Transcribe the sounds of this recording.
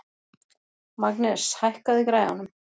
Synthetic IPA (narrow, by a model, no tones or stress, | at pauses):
maknɛshajhkaðɪkɾaːjɣa̰nʏm